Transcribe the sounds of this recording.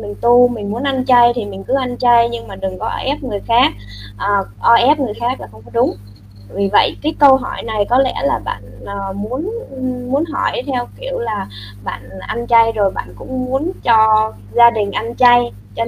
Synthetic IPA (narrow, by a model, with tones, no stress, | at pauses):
mï˨˩ŋ̟t̪u˧mï˨˩ŋ̟mu˨˦ənʔa˧nt͡ɕa˧jt̪ʰi˨˩mï˨˩ŋ̟kɨ˨˦ʔa˧nt͡ɕa˧jɲɨ˧ŋmaː˨˩ɗɨ˨˩ŋkɔ˨˦ʔɔ̰˧ʔɛ˦˥p̚ŋɨ˨˩əjxaː˦˥k̚ | ʔəː˨˩ʔɔ˧ʔɛ˦˥p̚ŋɨ˨˩əjxaː˦˥k̚laː˨˩xə˧wŋ͡mkɔ˨˦ɗʊ˨˦ŋ͡m | vi˨˩və̰˧˨jkaː˨˦jkə˧wɦɔ˧˩jna˨˩jkɔ˨˦lɛ̰˧˥laː˨˩ɓa̰ː˧˨nəː˨˩mu˨˦ənmu˨˦ənɦɔ˧˩jt̪ʰɛ˧wki˧˩˨əwlaː˨˩ | ɓa̰ː˧˨nʔa˧nt͡ɕa˧jzo˨˩jɓa̰ː˧˨nkʊ̰˧˥ŋ͡mmu˨˦ənt͡ɕɔ˧ | zaː˧ɗï˨˩ŋ̟ʔa˧nt͡ɕa˧j | t͡ɕɔ˧